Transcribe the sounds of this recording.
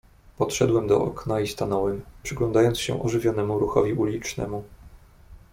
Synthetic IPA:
pɔt̪ʂɛd̪wɛmd̪ɔʔɔ̰knaist̪anɔwɘmpʂɘɡlɔnd̪ajɔnsɕɛ̰ʔɔʐɘvʲjɔnɛmuɾuxɔ̰vʲiʔulʲit͡ʂnɛ̰mu

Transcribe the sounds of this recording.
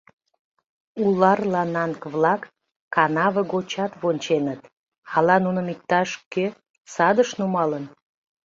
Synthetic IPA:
ulɑrlɑnɑŋkβlɑkː | ɑnɑβəɡot͡ɕɑt̪βonʲt͡ɕenət̪ | ɑlɑnunəmik̚t̪ɑʃkø | sɑd̪əʃnumɑlən

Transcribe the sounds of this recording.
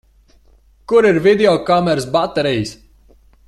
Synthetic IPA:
kuɾiɾvid̪eɔkamɛɾsbat̪ːɛɾijs

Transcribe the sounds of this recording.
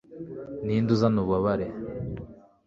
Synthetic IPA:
niːnduzanuβaβaɾe

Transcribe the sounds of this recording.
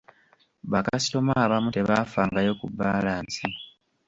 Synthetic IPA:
βakaasi̥to̞maːβamute̞βaːfaːŋɡajo̞kubːaːlaːnsi

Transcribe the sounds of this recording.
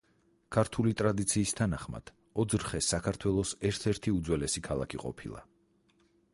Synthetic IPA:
kʰaɾt̪ʰulit̪ʼɾad̪it̪sʰiːst̪ʰanaχma̰d̪̥ | ɔd̪zɾχɛsakʰaɾt̪ʰwɛlˠɔsɛɾt̪ʰɛɾt̪ʰiud̪zwɛlɛsikʰalˠa̰kʰiqʼɔ̰pʰilˠa̰

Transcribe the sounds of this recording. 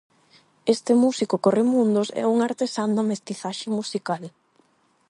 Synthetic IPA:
est̪ɪmusikokoremũnd̪ʊsɛ̰uŋaɾt̪esand̪amest̪iθaʃɪmusikal

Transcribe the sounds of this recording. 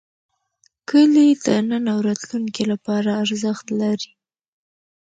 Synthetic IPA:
kəlid̪ənənawɾɑt̪luŋkilapɑɾaːɾzəxt̪laɾi

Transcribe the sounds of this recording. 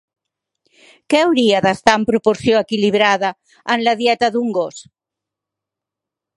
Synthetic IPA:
kɛawɾiaðast̪ampɾupoɾsjoekiliβ̞ɾaðaː | nlaðjɛt̪ɐðuŋɡos

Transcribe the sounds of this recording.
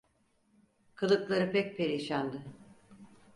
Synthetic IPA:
kʰɯlˠɯklˠaɾɯpɛc̚pʰeɾiʃand̪ɯ

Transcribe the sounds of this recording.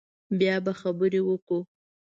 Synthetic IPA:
bjɑbaxabəɾewəku

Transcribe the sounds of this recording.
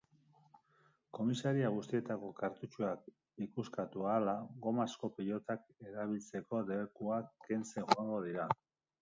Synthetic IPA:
ko̞misaɾiaɣ̞ust̪ie̞t̪ako̞kaɾt̪ut͡ʃuak̚ | ikuskat̪ualaɣo̞masko̞piʎo̞t̪ake̞ɾaβilt͡se̞ko̞de̞βekuakːe̞nt͡se̞ŋxoaŋɡo̞ð̞iɾa

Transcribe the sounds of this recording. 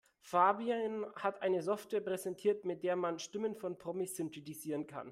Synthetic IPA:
faːbianhatʔaɪnəzɔftv̥ɛːɐpʁ̥ɛzɛntʰiːɐtmɪt̚d̥eːɐmanʃtɪmənfɔnpʁ̥ɔmisːʏntʰɛtiziːʁənkʰa̰n

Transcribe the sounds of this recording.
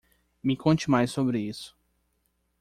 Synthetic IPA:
mɪkõt͡ʃɪmajsːobɾɪisʊ̥

